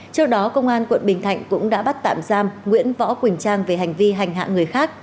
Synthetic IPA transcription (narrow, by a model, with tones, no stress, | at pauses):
t͡ɕɨ˦˥ək̚ɗɔ˨˦kə˧wŋ͡mʔaː˧nkwə̰˧˨nɓï˨˩ŋ̟t̪ʰa̰˧˨jŋ̟kʊ̰˧˥ŋ͡mɗa̰ː˧˥ɓt̚t̪a̰ː˧˨mzaː˧mŋwḭ˧˥ənvɔ̰˧˥kwï˨˩ŋ̟t͡ɕaː˧ŋve˨˩ɦa˨˩jŋ̟vi˧ɦa˨˩jŋ̟ɦa̰ː˧˨ŋɨ˨˩əjxaː˦˥k̚